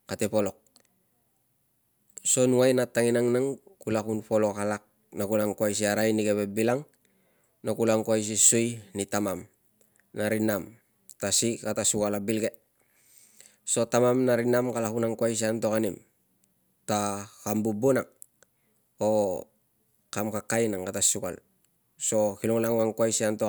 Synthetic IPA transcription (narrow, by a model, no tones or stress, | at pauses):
katepo̞lo̞k̚ | so̞nuajnataŋinaŋnaŋkulakunpo̞lo̞kalak̚ | nakulaŋkuajs̬iaɾajnikeβebilaŋ | nokulaŋkuajs̬isujnitamam | naɾinam | tasikatasukalabilɡe | so̞tamamnaɾinamkalakunaŋkwajs̬ianto̞kanim | takambubunaŋ | o | kamkakajnaŋkatasuka̰l | so̞kiloŋlaŋaŋkwajsianto